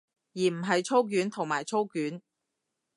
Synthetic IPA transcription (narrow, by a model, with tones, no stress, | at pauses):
jiː˨˩m̩˨˩ɦɐ˨jt͡ʃʰo˥wk̬yː˨˥nt̪ʰʊ˨˩ŋmaː˨˩jt͡ʃʰo˥wkyː˨˥n